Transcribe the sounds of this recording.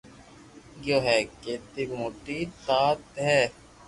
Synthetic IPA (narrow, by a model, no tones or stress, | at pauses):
ɡjoːɦɛːket̪iɡmoːʈːit̪aːt̪ɦɛ